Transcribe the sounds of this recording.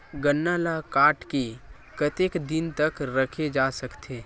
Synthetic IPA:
ɡɐnːaːlakaːɾʈke | kɐt̪eːkd̪ɪnt̪ɐkɾɐkʰed͡ʒaːsɐkt̪ʰeː

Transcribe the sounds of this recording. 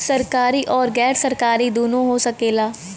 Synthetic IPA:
səɾkaːɾiːʔɔːɾɡɛːɾsəɾkaːɾiːd̪uːnõːɦoːsəkeːlaː

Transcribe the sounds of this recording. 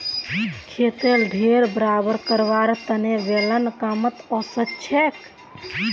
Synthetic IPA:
kʰet̪elɖʱeɾbəɾabəɾkəɾʋaɾt̪ənebelənkamət̪ɔsətːt͡ʃʰek

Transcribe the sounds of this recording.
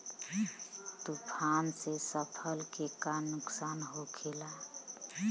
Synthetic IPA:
t̪upʰansesəpʰəlkekanʊksaːnɦokʰela

